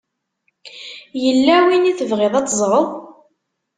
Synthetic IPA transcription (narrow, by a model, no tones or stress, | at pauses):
jəlːæwiniθəvʁɪðˤɑt͡s̪ːəzˤɾˤoðˤ